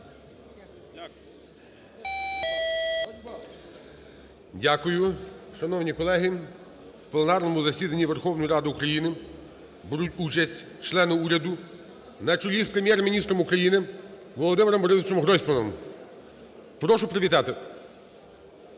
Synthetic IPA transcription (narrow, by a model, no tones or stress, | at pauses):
dʲakʊjʊʃɐnɔwnʲikɔlˠɛɦɪ | wplˠenɑrnɔmʊzɐsʲid̪ɐnʲːiʋerxɔwnɔjiɾɑd̪ɪukɾɐjinɪ | bɪɾutʲut͡ʃɐsʲtʲ | t͡ʃlˠɛnɪuɾʲɐd̪ʊ | nɐt͡ʃʊlʲispɾemʲjɛrmʲinʲist̪ɾɔmʊkɾɐjinɪ | ʋɔlˠɔd̪ɪmɪɾɔmbɔɾɪsɪt͡ʃɔmɦɾɔsʲpɔnɔm | pɾɔʃʊpɾeʋʲit̪ɑt̪ɪ